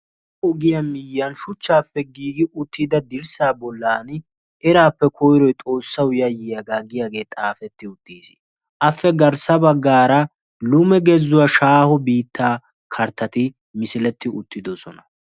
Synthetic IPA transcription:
ɔɡɪjɐmɪjːɐnʃʊt͡ʃːaːpːɛɡiːɡɪʔʊt̪ːɪd̪ɐd̪ɪɾsaːbɔlːaːn | ɛɾaːpːɛkʰɔjɾɔjt̪ʼo̞ːsːɐwʊjɐjɪjaɡaːɡɪjaːɡe̞ːt̪ʼaːfɛt̪ːɪʊt̪ːiːsɪ̥ | ʔɐfːɛɡɐɾsɐbɐɡːaːɾɐ | lʊmɛɡɛzːʊwɐʃaːhɔbiːt̪ːaː | kʰɐɾt̪ːɐt̪ɪ | mɪsɪlɛt̪ːɪʊt̪ːɪd̪ɔsɔnɐ

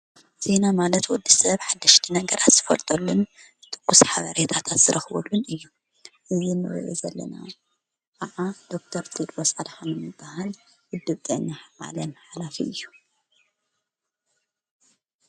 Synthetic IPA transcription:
z̥e̞namalɐt̪wɔd̪ːisɐβħad̪ːɐʃt̪ʰinɐɡɐɾʔat̪z̥ɨfɐlt̪ʼɐlːunzɨt̪ʰʼɨ̥kːusħaβaɾet̪ʰat̪ʰat̪z̥ɨɾʔɐxβɐ̰lːunɨjːu | ʔɨzinɨɾɨ̰ʔozɐlːɐ̰na̰ | kʼaʕad̪̥o̞k̚t̪ʰɐɾt̪ʼid̪wɔsʼad̪ħanɨmɨbːahal | wʊd̪ːɨβt̪ʼenːaħβa̰lɐnħalafiɨjːu

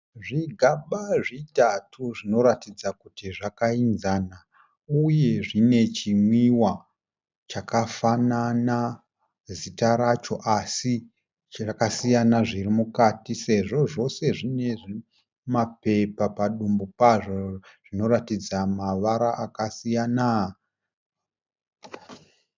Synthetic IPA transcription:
ʐiɡʱaɓaʐitatʰuʐino̞ɾatid͡zakutiʐakainzana | uje̞ʐine̞t͡ʃimwiwa | t͡ʃakafanana | zitaɾat͡ʃo̞ʔasi | rakasijanaʐirimukatise̞ʐo̞ʐo̞se̞ʐine̞ʐi | mape̞papaɗumbupaʐoʐ̥ino̞ɾatid͡zamaʋaɾaʔakasijana

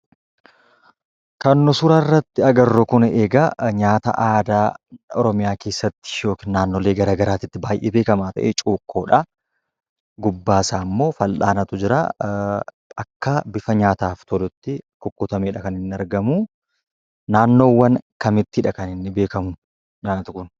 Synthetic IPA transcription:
kɐnːʊsʊɾɐɪrːɐt̪ːɪɐɡɐrːɔkʊneːɡɐɲaːt̪ɐ̰ʔaːd̪aːɔ̰ɾɔmɪjaːke̞ːsːɐt̪ːɪ̥jo̞ːkinnaːnːoleːɡɐɾaːɡɐɾaːt̪ɪt̪ːɪbaːjʔebe̞ːkɐmaːt̪ɐ̰ʔɛt͡ʃʼuːkʰːoːᶑɐ | ɡʊbːaːsaːmːo̞ːfɐlʔaːnɐt̪ʊd͡ʒɪɾa̰ː | ɐkːɐbɪfɐɲaːt̪aːft̪ʰɔlʊt̪ːɪkʊkːʊt̪ɐmeːᶑɐkɐnɪnːɪɐɾɡɐmu | naːnːo̞ːwːɐnkɐmɪt̪ːɪhɪᶑɐkɐnɪnːɪbe̞ːkɐmʊn | ɲaːnɐt̪ʊkʊn

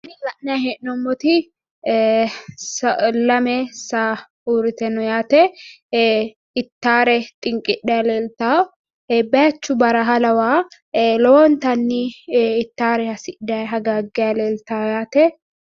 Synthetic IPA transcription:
nɪlɐʔnːɛahɛʔnɔmːɔt̪ɪ | sɐlɐmɛsaː | uːɾɪt̪ɛnɔjaːt̪ɛ | ɪt̪ːaːɾɛt̪ʼɪŋkʼɪᶑɛɐleːlt̪aː | bɐjɐt͡ʃːʊbɐɾɐɦɐlɐwaː | lɔɔnt̪ɐnːɪːt̪ːaːɾɛhɐsɪʔdɐjɐɡaːɡːɛjɐleːlt̪aːjaːt̪ɛ

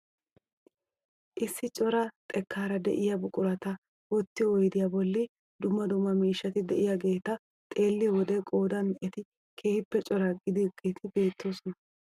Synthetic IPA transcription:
ʔɪsːɪt͡ʃʼɔɾɐt̪ʼɛkʰːaːɾɐd̪ɛ̰ʔɪjɐbʊkʼʊɾɐt̪ɐ | wɔt̪ːɪjɔɔjd̪ɪjɐbɔlːɪ | d̪ʊmːɐd̪ʊmːɐmiːʃːɐt̪ɪd̪ɛʔɪjɐɡe̞ːt̪ɐ | t̪ʼe̞ːlːɪjwɔd̪ɛkʼo̞ːd̪ɐnɛt̪ɪ | kʰe̞ːhɪpːɛt͡ʃʼɔɾɐɡɪd̪ɪɡ̥eːt̪ʰɪbe̞ːt̪ːo̞ːsɔnɐ

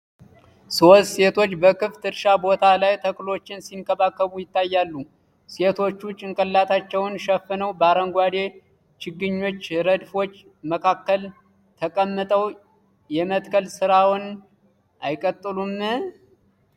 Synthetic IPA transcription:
sosse̞t̪ʰo̞t͡ʃːbəkɨft̪ɨɾʃabo̞t̪ʰalajt̪ʰəkʼlo̞t͡ʃːɪnsinkʼəβakːəβujɪt̪ːajːalːu | se̞t̪ʰo̞t͡ʃːut͡ʃʼɪŋkʼəlːat̪ʰat͡ʃːɛwnʃɛfːɨnəwbəaɾəŋɡʷad̪e̞ | t͡ʃɪɡːɨɲːo̞t͡ʃːɾəd̪fo̞t͡ʃː | məkʰakːəl | t̪ʰəkʼəmːɨt̪ʼəw | jɛmət̪kʰəlsɨɾawn | ʔajkʼət̪ʼːɨlum

